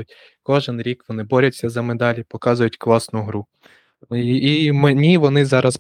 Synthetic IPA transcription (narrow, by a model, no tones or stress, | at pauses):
ʊtʲ | kɔʒɛnɾʲikʋɔnɪbɔɾʲɐtʲsʲːɐzɐmed̪ɑlʲipɔkɑzʊjʊtʲklˠɑsnʊɦɾu | imenʲiʋɔnɪzɑɾʔɐs